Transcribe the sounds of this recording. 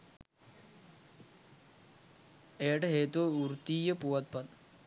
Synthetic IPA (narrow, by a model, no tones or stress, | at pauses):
eːʈɐɦeːt̪ouɾt̪iːjɐpuʋɐt̪̚pɐt̪